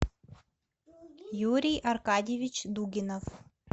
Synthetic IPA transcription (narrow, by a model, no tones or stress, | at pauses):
juɾʲijɐrkadʲjevʲɪt͡ɕd̪uɡʲɪnof